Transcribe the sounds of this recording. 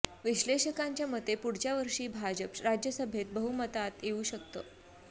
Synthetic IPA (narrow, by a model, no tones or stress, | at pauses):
ʋiɕleɕəkaɲt͡ɕjamət̪ːepuɽ̤t͡ɕjaʋəɾʂiːbʱad͡ʑəpɾad͡ʑjəsəbʱet̪̚bəɦumət̪at̪jeuːɕəkt̪əː